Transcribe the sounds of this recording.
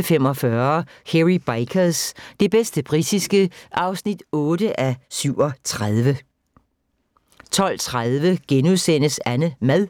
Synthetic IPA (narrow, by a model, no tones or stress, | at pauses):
fem̰ɒ̽fɶɐheʁib̥ɑɪkʰɐsd̥e̝b̥esd̥əb̥ʁid̥isɡ̥əʔɑ̈ʊsnid̥ɔ̽ːdəʔæsyʊ̰ɒ̽t͡sʰʁaðˠʋə | t͡sʰɒ̽l̰t͡sʰʁaðˠʋəɡ̥enuðˠsen̰əsænəmæðˠ